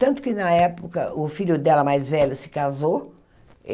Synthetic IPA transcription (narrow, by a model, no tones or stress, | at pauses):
t̪ɐ̃nt̪ʊ̥kɪnɐɛpʊkɐ̰ʔʊfiʎʊd̪ɛlɐmajzvɛʎʊsɪ̥kazo